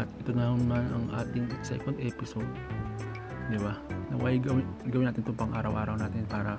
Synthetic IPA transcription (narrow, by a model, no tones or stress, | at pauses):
ʔɐt̪ʔɪt̪onanmanɐŋʔa̰ːt̪ɪŋsɛ̰kond̪ʔɛpɪsod̪̚ | d̪ɪbanɐ̰waːɡɐwɪɡɐwɪnaːt̪ɪnt̪ʊmpɐŋʔaːɾɐwʔaːɾɐwnaːt̪ɪnpaːɾɐ